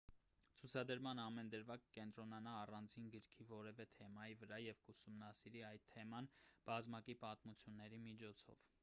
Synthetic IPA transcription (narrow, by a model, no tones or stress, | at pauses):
t͡sʰut͡sʰɑd̪əɾmɑnɑmɛnd̪əɾvɑkə̥kɛnt̪ɾɔnɑnɑːrɑnd͡zinɡəɾkʰivɔɾɛvɛt̪ʰɛmɑjivəɾɑjɛvkusumnɑsiɾiɑjt̪ʰːɛmɑnb̥ɑzmɑkipɑt̪mut͡sʰjunːɛɾimit͡ʃʰɔt͡sʰɔ̰v